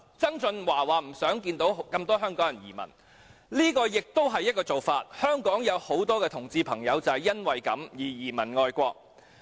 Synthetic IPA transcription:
t͡sɐ˥ŋt͡sɵ˧nwaː˨˩waː˨m̩˨˩sœː˨˥ŋkiː˧nt̪o˨˥wkɐ˧mt̪ɔː˥ɦœː˥ŋkɔː˨˥ŋjɐ˨˩njḭː˨˩mɐ̰˨˩n | liː˥kɔː˧jɪ˨k̚t̪o˥wɦɐ˨jːɐ˥t̚kɔː˧t͡so˨wfaː˧t̚hœː˥ŋkɔː˨˥ŋjɐ˨˧who˨˥wt̪ɔː˥kɛː˧t̪ʰʊ˨˩ŋt͡siː˧pʰɐ˨˩ŋjɐ˨˧wt͡sɐ˨jɐ˥nwɐ˨jkɐ̰˨˥mjiː˨˩jiː˨˩mɐ˨˩nŋɔː˧jkʷɔː˧k̚

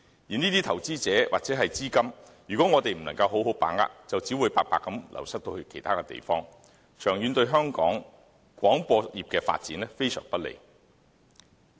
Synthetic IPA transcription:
jiː˨˩niː˥t̪iː˥t̪ʰɐ˨˩wt͡siː˥t͡sɛː˨˥wa̰ː˨k̚t͡sɛ˨˥ɦɐ˨jt͡siː˥kɐ˥m | jyː˨kɔ˨˦˥ŋɔː˨˧t̪e˨jm̩˨˩nɐ˨˩ŋkɐ˧whɦo˨˥wɦo˨˥wpaː˨˥ŋa̰ː˧˥k̚t͡sɐ˨wt͡siː˨˥wuː˨˧jpaː˧k̚paː˧kːɐ˨˥mlʔɐ̰˨˩wsɐ˥t̪o˧whɵ˧ɥkʰe˨˩jt̪ʰaː˥kɛ˧t̪ḛ˨jfɔː˥ŋ | t͡ʃʰœː˨˩ŋjyː˨˧nt̪ɵ˧ɥɦœː˥ŋkɔ̰ː˨˥ŋ | kwɔː˨˥ŋpɔː˧jiː˨˩p̚kɛː˧fa̰ː˧t̚t͡siː˨˥nlɛ˥fe˥jsœ̰ː˨˩ŋpɐ˥t̚lḛ˨j

